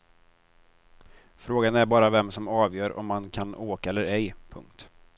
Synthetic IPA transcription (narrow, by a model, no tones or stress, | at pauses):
fɾoːɡanæɾbɑːɾavɛmsɔmɑːvjœːɾɔ̰mːankʰanoːkaɛlːəɾɛjpʰɵ̰ŋk̚t̪